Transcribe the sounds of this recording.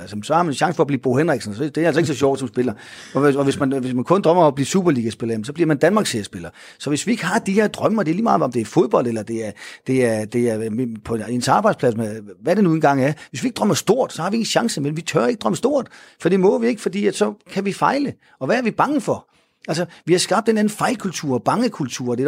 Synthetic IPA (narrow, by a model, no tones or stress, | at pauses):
ælsmnsɒhɑ̈mænɕɑ̈ŋsə̥fɒ̽ːbliːb̥o̝henʁeɡ̥sn̩sd̥e̝ɐælsɒe̝ɡ̥sɒ̽ɕɒ̰ʊ̰d̥sɒ̽msb̥e̝lɐ | ɒɒʋe̝smænʋe̝smænkʰɔ̽nd̥ʁɶmɐb̥liːsuːb̥ɐliːɡ̥æsb̥e̝lɐemnsɒ̽b̥liɐmænd̥ænmɑ̈ːɡ̥sesb̥e̝lɐ | sɒ̽ʋe̝sʋie̝ɡ̥əɦɑ̈d̥ihe̝ɐ̰d̥ʁɶməɒdeɐliːmɑð̩ˠɒ̽md̥e̝æɐfo̝ð̞ˠb̥ɒ̽l̰d̥elɐd̥e̝æɐd̥e̝æɐd̥e̝æɐpʰɒ̽ensɑ̈ːb̥ɑ̈ɪd̥spʰlæsmeʋæd̥e̝nuenɡ̥ɑ̈ŋ̰æɐʋesʋie̝ɡ̥ə̥d̥ʁɶmɐsd̥o̝ɐ̰d̥sɒ̽hɑ̈ʋieŋn̩ɕɑ̈ŋsəmenʋit͡sʰœɐeɡəd̥ʁɶməsd̥o̝ɐ̰d̥fɒ̽d̥ḭːmɔ̽ʋie̝ɡ̥əfɒ̽d̥ḭːæd̥sɒ̽kʰæʋifɑ̈ɪlə | ɒ̽ʋææɐʋib̥ɑ̈ŋəfɒ̽ | ælsɐʋihɑ̈sɡ̥ɑ̈b̥̚d̥enæn̩fɑ̈ɪlkʰult͡sʰuɐ̰ɒb̥ɑ̈ŋəkʰult͡sʰuɐ̰d̥e̝